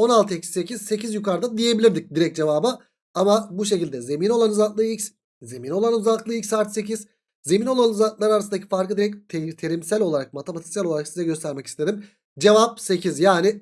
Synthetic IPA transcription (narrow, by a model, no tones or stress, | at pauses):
o̞nalˠt̪ʰɯecsse̞cʰiz̥se̞cizjykaɾd̪and̪ije̞bilʲiɾd̪ic̚d̪iɾɛc̚d͡ʒe̞vaːbɯ | amabuʃe̞cilʲd̪ɛze̞mino̞lˠanuzat̪lˠɯicʲs | ze̞mino̞lˠanuzak̪lˠɯilʲcsaːɾt̪se̞cʰiz̥ | ze̞mino̞lˠanuzat̪lˠaɾaɾasɯnd̪acʰi̥faɾkɯd̪iɾɛc̚t̪ʰt̪ʰe̞ɾimsælʲo̞lˠaɾak̚mat̪ʰemat̪ʰi̥sælʲo̞lˠaɾaksizɛɟø̞st̪ʰæɾmɛcist̪ʰe̞d̪im | d͡ʒe̞vap̚se̞cʰizjaːnɪ